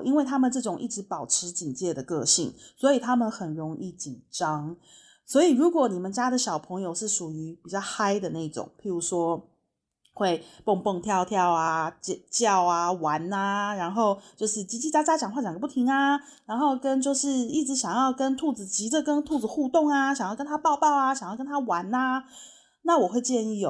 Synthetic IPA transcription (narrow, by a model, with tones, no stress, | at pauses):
ʔi˦˥nwe˥˩ɪt̪ʰa˥mə˨nʈ͡ʂɤ˥˩ʈ͡ʂʊ˨˩ŋʔi˥˩ʈ͡ʂɻ̩˧˦˥pɑ˨˩ʊʈ͡ʂʰɻ̩˧˦t͡ɕi˨˩ŋt͡ɕjɛ˥˩d̪ə˩kɤ̰˥˧ɕḭ˥˩ŋswɔ˧˥i˨˩t̪ʰa˥mə˨nxə˨˩nɻo˧˥ŋʔi˥˩t͡ɕi˨˩nʈ͡ʂɑ˦ŋ | swɔ˧˥i˨˩ɻu˨˧˥kwɔ˨˩˦ni˨˩mə˨˦nt͡ɕja˥d̪ə˨ɕjɑ˨˩ʊpʰɤ˧˥ŋjo˧ʊʂɻ̩˥˩ʂu˨˩y˧˥pi˨˩t͡ɕjɑ˥˩ʊxa˥ɪd̪ə˨na˥˩i˥˩ʈ͡ʂʊ̰˨˩˦ŋpʰi˨˥ɻu˧˥ʂwɔ˥ | xwe˥˧ɪpo˥˧ŋpɤ˥˧ŋt̪ʰjɑ˥˧ʊt̪ʰjɑ˥˩ʊa˨˩t͡ɕt͡ɕjɑ˥˩ʊa˨wa˧˦na˧ɻa˧˥nxo˥˧ʊt͡ɕjo˥˧ʊʂɻ̩˥˩t͡ɕi˧˥t͡ɕi˥˧t͡ɕa˥t͡ɕja˥t͡ɕjɑ˨˩ŋxwa˥˩t͡ɕjɡə˧˩pu˥˩t̪ʰi˧˥ŋa˧ | ɻa˧˥nxo˥˧ʊkə˦nt͡ɕjo˥˧ʊʂɻ̩˥˧i˥˩ʈ͡ʂɻ̩˧˥ɕjɑ˨˩ŋjɑ˥˩ʊkə˦˥nt̪ʰu˥˩d͡zɹ̩˨˩t͡ɕi˧˥d̪ə˨kə˦˥nt̪ʰu˥˩d͡z̩˨˦xu˥˧t̪ʊ˥˩ŋa˩ɕɑ˨˩ŋjɑ˥˩kə˥nt̪ʰa˥pɑ˥˧ʊpɑ˥˩ʊa˨˩ɕjŋjkə˥nt̪ʰa˥wa˧˥na˧ | na˥˨wɔ˨˩xwe˥˧ɪt͡ɕjɛ˥˧ni˥˩jo˨˩